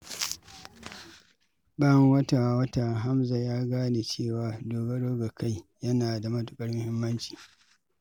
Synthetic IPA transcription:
ba˦˨ŋwɐ˦ta˨wɐ˦ta˨ɦa˦mza˨jaː˦ɡaː˦neː˨t͡ʃeː˦˨waː˨doː˨ɡɐ˦ɽoː˦ɡa˨kʰa˦jjɐ˦naː˨da˨mɐ˦tʊ˨kʼɐ˦rmʊ˦hɪ˦mːɐ˦nt͡ʃi̥ː˨

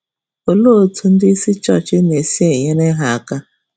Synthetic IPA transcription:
o˨lo˦˨tʰu˦n̩˦di˦si˦t͡ʃɔ˦˨t͡ʃi˦ne˨si˦e˨jɛ˦nɛ˦ɦa˨˦˨ka˦

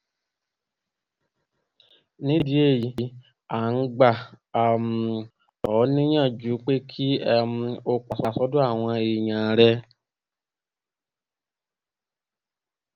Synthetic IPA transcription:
nĩ˦di˦e˦˨ji˨˦i˨˦ | a˨n̩˦ɡ͡ba˦˨a˨m˨ | ɔ˨˦nĩ˦ɲã˦˨d͡ʒu˨˦k͡pe˦kʰi˦m˧o˧k͡pa˨sa˨sɔ˦du˦a˦˨w̃ã˧e˨ɲã˨ɾɛ˦

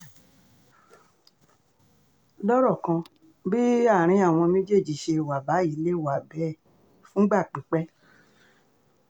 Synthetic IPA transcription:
lɔ˦ɾɔ˦˨kã˧ | bi˦a˦˨ɾ̃ĩ˧a˦˨w̃ɔ̃˧nẽ˦d͡ʒe˦˨d͡ʒi˨ʃe˧˨wa˨ba˨˦i˨˦le˦˨wa˨bɛ˨˦˨ | fũ˦ɡ͡ba˦˨k͡pĩ˨˦k͡pɛ˦

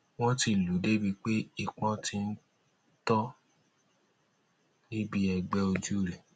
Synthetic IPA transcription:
w̃ɔ̃˦ti˧˨lu˨˦de˦bi˧k͡pe˦i˦˨k͡pɔ̃˧ti˧n̩˦ | tɔ˦ | ni˦bi˦ɛ˧ɡ͡bɛ˦o˧d͡ʒu˦ɾɛ˨

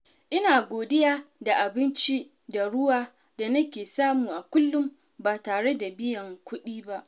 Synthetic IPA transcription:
ʔɪ˦naː˨ɡʷoː˨dɪ˦jaː˦da˨ʔa˨bɪ˦nt͡ʃi˦ | da˨ɽʊ˦waː˦ | da˨nɐ˦kʲeː˨saː˦muː˨ʔa˨kʷʊ˦lːʊ˦m | baː˨taː˨ɽe˦da˨bɪ˦jɐ˨ŋkʷʊ˦ɗiː˦ba˦ʔ

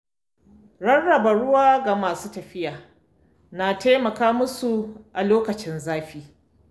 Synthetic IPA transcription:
ɽɐ˦nɽɐ˨ba˨ɽʊ˦waː˦ɡa˨maː˨suː˦tɐ˨ɸɪ˦jaː˨ | na˨teː˦mɐ˨kaː˦mʊ˦su˨ʔa˨loː˦kɐ˨t͡ʃɪ˦nzaː˦ɸiː˦

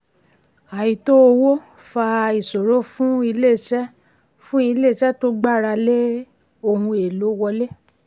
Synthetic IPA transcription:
a˨ji˨to˦o˧wo˦ | fa˧i˨so˨ɾo˨˦fũ˦i˧le˦˨ʃɛ˦ | fũ˦i˧le˦˨ʃɛ˦to˦ɡ͡ba˦˨ɾa˧le˦ | o˧˨hũ˧e˨lo˨˦wɔ˧le˦

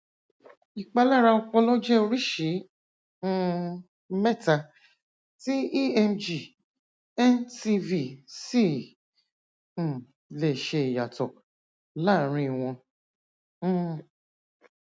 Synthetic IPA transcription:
i˨k͡pa˧la˦˨ɾa˧ɔ˧k͡pɔ˧lɔ˦d͡ʒɛ˦o˧ɾi˦ʃĩ˨˦ | mɛ˦˨ta˧ | ti˦i˦ɛ˧md͡ʒi˨ | ɛ˦nti˧vi˦˨si˦˨ | le˨ʃe˧i˨ja˨tɔ˨ | la˦˨ɾ̃ĩ˧˨w̃ɔ̃˧˦˨

